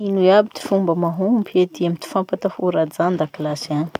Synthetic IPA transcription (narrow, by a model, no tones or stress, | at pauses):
inuabit̪i̥fumbəmaɦumpet̪iamit̪i̥fampat̪afuɾad͡zand̪akilasani̥